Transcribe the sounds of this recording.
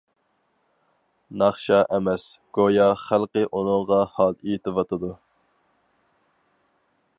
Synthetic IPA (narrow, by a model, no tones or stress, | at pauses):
nɑχʃɑʔɛmɛsɡ̥ojɑχælˠqəʔunʊŋʁɑhɑlˠejit̪ʰɪvɑt̪ʰɨd̪u